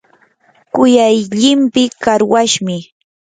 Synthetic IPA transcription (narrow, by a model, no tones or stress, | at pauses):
kʊjajʎɪmpɪkaɾwaʃmɪ